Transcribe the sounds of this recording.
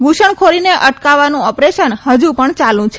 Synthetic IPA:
ʋuʃəɳkʰoɾineʔəʈkaʋanũɔpɾeʃənhəd͡ʒũpəɳt͡ʃalũt͡ʃʰe

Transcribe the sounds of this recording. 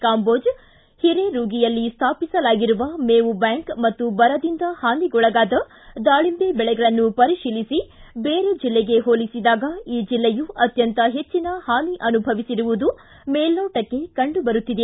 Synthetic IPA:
kaːmbo̞ːd͡ʒ | hiɾe̞ɾuːɡijɐlːist̪ʰaːpisɐlaːɡiɾuʋɐmeːʋubjaːŋkmɐt̪ːubɐɾɐd̪ind̪ɐhaːniɡɔɭɐɡaːd̪ɐ | d̪aːɭimbebɛɭɛɡɐɭɐnːupɐɾiʃiːlisibeːɾed͡ʒilːeɡe̞ɦoːlisid̪aːɡɐiːd͡ʒilːejuɐt̪jɐnt̪ɐɦe̞t͡ʃːinɐhaːniʔɐnubʱɐʋisiɾuʋud̪u | meːlːoːʈɐkːe̞kɐɳɖubɐɾut̪ːid̪e̞

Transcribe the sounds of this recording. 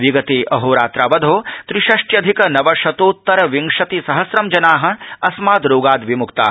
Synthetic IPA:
ʋiɡɐt̪eːʔɐɦoːɾaːt̪ɾaːʋɐd̪ʱoːt̪ɾiʃɐʂʈjɐd̪ʱikɐnɐʋɐʃɐt̪oːt̪ːɐɾɐʋiŋʂɐt̪isɐɦɐsɾɐmd͡ʒɐnaːɦɐɐsmaːd̪ɾoːɡaːd̪ʋimukt̪a̰ː

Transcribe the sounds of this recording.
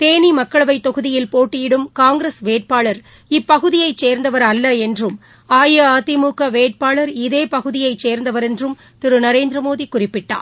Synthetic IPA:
t̪eːnimɐkːɐɭɐʋɐɪt̪ːɔɣɯðɪjɪlpoːʈːɪjɪɽɯmkaːŋɡɾesʋeːʈ̚paːɭɐɾ | ɪpːɐɣɯðɪjɐɪt͡ʃːseːɾnd̪ɐʋɐɾɐlːɐɛndrɯm | aːjɐaːt̪ɪmuːkɐʋeːʈ̚paːɭɐɾɪðeːpɐɣɯðɪjɐɪt͡ʃːseːɾnd̪ɐʋɐɾɛndrɯm | t̪ɪɾɯnɐɾeːnd̪ɾɐmoːðikʊrɪpːɪʈːa̰ːɾ

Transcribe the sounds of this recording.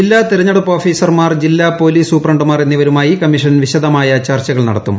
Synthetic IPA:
d͡ʑilːaːt̪iɾɐɲːɐɽɐpːo̞ːfiːsɐrmaːrd͡ʑilːaːpo̞ːliːsuːpːrɐɳɖɨmaːre̞nːiʋɐɾumaːjikɐmːiʂɐnʋiɕɐd̪ɐmaːjɐt͡ɕaːrt͡ɕɐɣɐɭnɐ̰ɽɐt̪ːum

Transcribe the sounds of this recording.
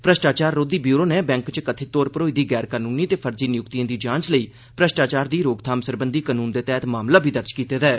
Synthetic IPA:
pɾəʃʈaːt͡ʃaːɾːoːd̪iːbjuːɾoːneːbɛ̃ːŋkt͡ʃkət̪ʰeːt̪oːɾpəɾoːiːd̪iːɡɛːɾkaːnuːniːt̪eːpʰəɾd͡ʒiːnɪjʊkt̪ijãːd̪iːd͡ʒãːt͡ʃləiː | pɾəʃʈaːt͡ʃaːɾd̪iːɾoːɡt̪ʰaːmsəɾbənd̪iːkaːnuːnd̪eːt̪ɛːt̪maːmlaːbʱiːd̪əɾt͡ʃkiːt̪eːd̪ɛː

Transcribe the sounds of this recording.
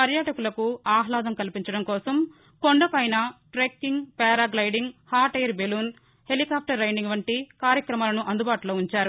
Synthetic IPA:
pɐɾjɐʈɐkulɐkuaːɦlaːd̪ɐmkɐlipiɲt͡ʃɐɽɐmkɔːsɐm | koɳɖɐpɐjnɐʈɾekːiŋɡpɛːɾaːɡlɐjɖiŋɡhaːɾʈɐjɐɾbeluːn | helikaːp̚ʰʈɐɾːɐjniŋɡʋɐɳʈikaːɾjɐkɾɐmaːlɐnuʔɐnd̪ubaːʈuloːuɲt͡ʃaːɾu

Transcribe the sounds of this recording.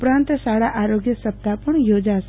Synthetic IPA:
pɾãnt̪saɽaʔaɾoɡjəsəp̚t̪apəɳjod͡ʒas

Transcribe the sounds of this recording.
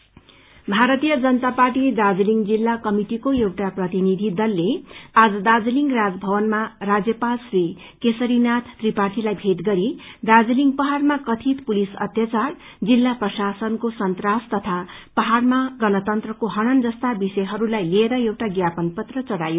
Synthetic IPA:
bʱaɾʌt̪ijʌd͡zʌnt̪aparʈid̪ad͡ziliŋɡd͡zilːakʌmiʈikoewʈaprʌt̪inid̪ʱid̪ʌlːead͡zʌd̪ad͡zʌliŋɡrad͡zbʱʌbʌnmarad͡zjʌpalsri | kesʌɾinat̪ʰːripaʈʰilajbʱet̪ɡʌɾid̪ad͡ziliŋɡpʌɦarmakʌt̪ʰit̪pulisʌ̰t̪jat͡sar | d͡zilːaprʌsasʌnkosʌnt̪rast̪ʌt̪ʰa | pʌɦarmaɡʌnʌt̪ʌnt̪rʌkoɦʌɽ̃ʌnd͡zʌst̪abisʌjɦʌɾulajlieɾʌewʈaɡjapʌnpʌt̪rʌt͡sʌɽajo

